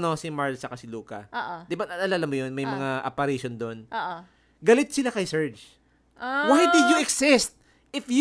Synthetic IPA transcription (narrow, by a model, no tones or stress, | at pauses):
no̞sɪmaɹlsɐkasɪluːkɐ̰ʔoːʔd̪ɪbanɐɐlalamʊjonmɐjmɐŋaʔɐ̰pɐɾiʃond̪o̞nʔoʔo | ɡɐlɪt̪̚sɪlakɐjsɛɹd͡ʒ | wajd̪ɪjuʔɛksɪst̪̚ | ɪfj